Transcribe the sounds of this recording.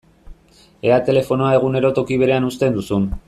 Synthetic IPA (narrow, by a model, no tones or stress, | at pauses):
e̞at̪e̞le̞fo̞noae̞ɣ̞une̞ɾo̞t̪o̞kiβ̞e̞ɾe̞anust̪e̞nd̪usun